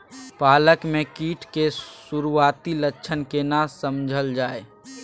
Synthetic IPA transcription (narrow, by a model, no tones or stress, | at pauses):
paːləkmẽkiːʈʰkesuɾuaːt̪ilətːʃʰənkenasəmd͡ʒʱəld͡ʒaːe